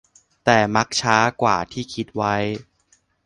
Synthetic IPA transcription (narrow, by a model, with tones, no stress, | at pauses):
t̪ɛː˨˩ma˦˥k̚t͡ɕʰaː˦˥kwaː˨˩t̪ʰiː˥˩kʰi˦˥t̪̚wa˦˥j